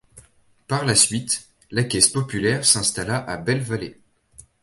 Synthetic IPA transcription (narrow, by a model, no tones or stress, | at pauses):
paʁlasɥit̪ | lakʲɛspɔpylɛʁsɛ̃st̪alaʔabɛlvale